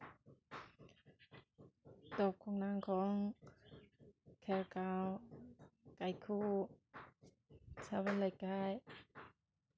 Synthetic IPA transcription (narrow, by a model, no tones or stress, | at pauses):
t̪ɔːp̚kʰɔːŋnaŋkʰɔːŋ | kʰɛlkaw | kajkʰuː | sawalakaːj